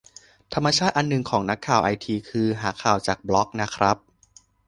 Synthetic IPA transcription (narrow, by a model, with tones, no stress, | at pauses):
t̪ʰa˧mːaː˧t͡ɕʰaː˥˩t̪̚ʔa˧nːɯ˨˩ŋkʰɔː˩˦ŋna˦˥kʰːaː˨˩wʔa˧jt̪ʰiː˧kʰɯː˧ɦaː˩˦kʰaː˨˩wt͡ɕaː˨˩k̚blɔ˦˥k̚na˦˥kʰɾa˦˥p̚